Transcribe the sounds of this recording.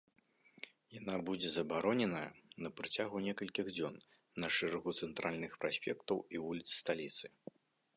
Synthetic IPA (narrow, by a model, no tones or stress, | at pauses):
janabud͡zʲɛzɐbaɾɔnʲɛnɐjɐnɐpɾɨt͡sʲaɣunʲɛkɐlʲkʲiɣd͡zʲɔn | nɐʂɛɾɐɣut̪sɛnt̪ɾʔalʲnɨxpɾasʲpʲɛkt̪ɐwivulʲit̪sːt̪alʲit̪sɨ̥